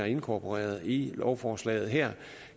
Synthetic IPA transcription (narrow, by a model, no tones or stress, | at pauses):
æɐe̝nkʰɒpʰoʁɛ̰ːɐð̞̩ˠilɒʊfɒːslɛ̰ɪð̩ˠɦeɐ̰